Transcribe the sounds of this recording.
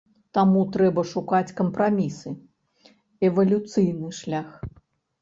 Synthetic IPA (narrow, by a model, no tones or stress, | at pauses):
t̪amut̪ɾɛbɐʂukat͡sʲkɐmpɾamʲisɨ | ɛvɐlʲut̪sɨjnɨʂlʲax